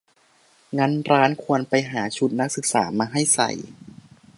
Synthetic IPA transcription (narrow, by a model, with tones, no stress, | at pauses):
ŋa˧˥nɾaː˦˥nkʰu˧ənpa˧jɦaː˩˦t͡ɕʰu˦˥t̪̚na˦˥k̚sɯ˨˩k̚sa̰ː˩˦maː˧ɦa˥˩jsa̰˨˩j